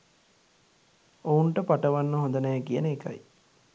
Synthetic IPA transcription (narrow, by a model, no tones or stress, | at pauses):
ouɳʈəpaʈəʋanːəɦond̪ənɛːkijənəːka̰j